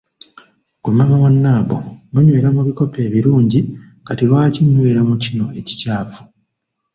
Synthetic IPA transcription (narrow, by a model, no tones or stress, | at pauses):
kumamaβonːaːβo̰muɲwe̞ːɾamuβiko̞pʰe̞ːβiɾuːɲɟi | katilwaːciɲːweːɾamucino̞e̞ci̥caːfu̥